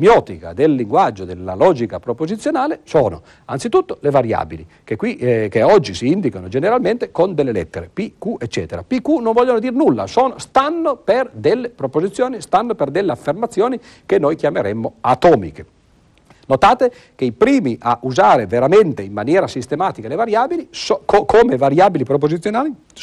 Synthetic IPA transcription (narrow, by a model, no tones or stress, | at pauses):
mjɔːt̪ika̰d̪elːiŋɡwad͡ʒːod̪elːa̰lɔːd͡ʒikapɾopozit̪sːjonaːlesoːno̰ | ant̪sit̪ut̪ːolevaɾja̰ːbili | kekːwikeɔd͡ʒːisiind̪ikanod͡ʒeneɾalment̪ekond̪elːelɛ̰t̪ːeɾepikuʔet͡ʃːɛ̰ːt̪eɾa̰pikːunoɱvɔʎːonod̪iːrnulːa̰soːnost̪anːoperd̪elːepɾopozit̪sːjoːnist̪anːoperd̪elːeafːermat̪sːjoːni | kenːojkjameɾemːoat̪ɔːmḭke | not̪aːt̪e | keipɾiːmiʔaʔuzaːɾeveɾament̪eimːanjɛːɾasist̪emaːt̪ikalevaɾjaːbiliskʰokʰoːmevaɾjaːbilipɾop̬ozit̪sːjonaːli